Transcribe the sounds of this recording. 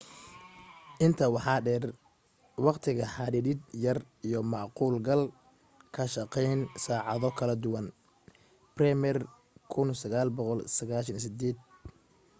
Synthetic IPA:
ʔɪnt̪ʰɐwɑħɑːɖɛːr | wɑqt̪ʰɪɣɐħɑɾɪɾɪd̪jɐr | ijɔmɑːquːlɡɐl | kʰɐʃɑqɛjnsaːʕɑðɔkʰɐlɐd̪ʊwɑn | brɛmɛr | kʰʊnsɐɣaːlbɔqɔlsɐɣaːʃɐnḭsɪd̪ɛːd̪̚

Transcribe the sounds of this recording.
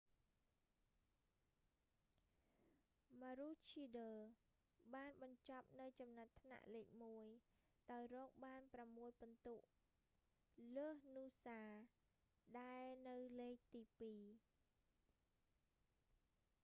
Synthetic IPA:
maːɾuːt͡ɕʰiːɗəː | ɓaːnɓɑɲt͡ɕɑp̚nɨwt͡ɕɑmnat̪ʰna̰ʔleːk̚muəj | ɗaɔjrɔːk̚ɓaːnpramːuəjpont̪uʔ | ləəhnuːsaː | ɗaɛlnɨwleːk̚t̪iːpiː

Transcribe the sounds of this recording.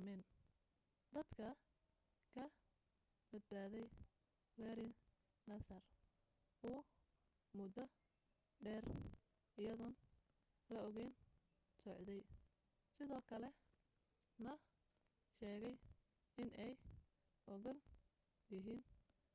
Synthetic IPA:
miːn | d̪ɐd̪kʰɐ | kʰɐ | bɛd̪̚baːðɛj | lɛːɾɪ | nɐsɐr | ʔuː | mʊd̪ɔ | ɖɛːr | ɪjɐðʊn | lɐɔɣɛn | sɔʕd̪ɛj | sɪðɔːkʰɐlɛ | nɐ | ʃɛːɣɛj | ɪnɛj | ʔɔɣɐŋ | jɪɦiːn

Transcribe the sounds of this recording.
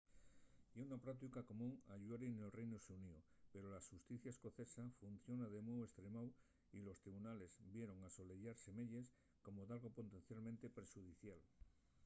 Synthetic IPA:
jeunapɾat̪ukako̞mũŋaʎweɾenelrejnosuniope̞ɾolaʃust̪iθjaesko̞θe̞safun̟θjo̞naðe̞mowe̞st̪ɾe̞maw | ilo̞st̪ɾiβunale̞zbje̞ɾo̞ŋaso̞le̞ʝaɾse̞meʎe̞s | ko̞moðalɣo̞po̞nt̪ẽ̞n̟θjalmẽnt̪e̞pɾeʃuðiθjal

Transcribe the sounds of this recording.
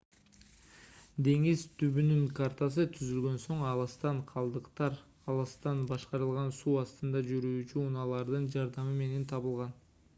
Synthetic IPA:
d̪e̞ŋizt̪ʰyβynyŋkart̪ɑs̬ɯt̪ʰyzylɡø̞nso̞ɴɑlˠɑst̪ɑɴqʰɑlˠd̪əqt̪ɑɾ | ɑlˠɑst̪ɑnbɑʃqɑɾɯlˠʁɑnsuːɑst̪ɯnd̪ɑd͡ʒyɾyːt͡ʃyunɑlˠɑɾd̪ɯnd͡ʒɑɾd̪ɑmɯme̞ne̞nt̪ʰɑβəlˠʁɑn

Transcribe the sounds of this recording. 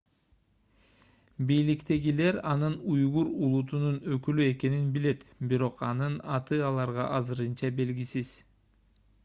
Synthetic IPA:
bijlikt̪e̞ɡile̞ɾɑnɯnujʁuɾulˠut̪ununø̞kylye̞ke̞ninbile̞t̪biɾo̞qɑnɯnɑt̪ɯɑlˠɑɾʁɑ̰ʔɑzɯɾɯnt͡ʃɑbe̞lɡisiz̥

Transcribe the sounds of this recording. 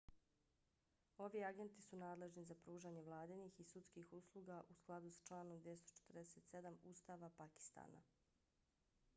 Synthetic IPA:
o̞ʋiaɡe̞nt̪i̥sunaːd̪le̞ʒnizapɾuːʒaːɲe̞ʋlˠaːd̪iniːxisut̪skiːxuslˠuːɡaʔusklˠad̪usḁt͡ʃlˠaːnomd̪ʋjest̪o̞̥t͡ʃet̪ɾd̪eset̪se̞d̪amuːst̪aːʋaːpaki̥st̪a̰ːna̰

